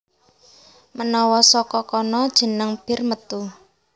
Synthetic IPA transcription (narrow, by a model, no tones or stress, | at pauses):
mənɔwɔsɔkɔkɔnɔd̥ʒ̥ə̤nəŋb̥ɪ̤rmət̪u